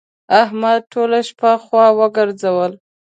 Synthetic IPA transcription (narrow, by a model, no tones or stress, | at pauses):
ahmad̪̚ʈʰolaʃpaxwɑwəɡəɾzawəl